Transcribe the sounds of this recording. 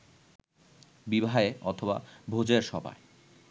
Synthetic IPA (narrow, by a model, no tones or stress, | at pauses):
bibʱaeɔt̪ʰoba̰bʱod͡ʑeɾʃɔbʱa̰e